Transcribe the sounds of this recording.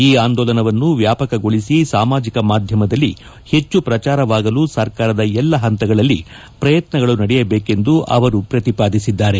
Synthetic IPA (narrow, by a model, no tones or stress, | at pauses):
iːaːnd̪ɔːlɐnɐʋɐnːuʋjaːpɐkɐɡo̞ɭisisaːmaːd͡ʒikɐmaːd̪ʱjɐmɐd̪ɐlːi | he̞t͡ʃːupɾɐt͡ʃaːɾɐʋaːɡɐlusɐɾkaːɾɐd̪ɐɛlːɐɦɐnt̪ɐɡɐɭɐlːi | pɾɐjɐt̪nɐɡɐɭunɐɽɛjɐbeːke̞nd̪uʔɐ̰ʋɐɾupɾɐt̪ipaːd̪isid̪ːaːɾe